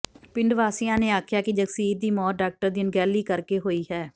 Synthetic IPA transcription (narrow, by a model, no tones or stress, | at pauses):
pɪɳɖʋaːsijãːneːaːkʰjaːkɪd͡ʒəksiːɾd̪iːmɔːt̪̚ɖaːk̚ʈəɾd̪ɪnɡɛːliːkəɾkeːɦoːiːɦɛː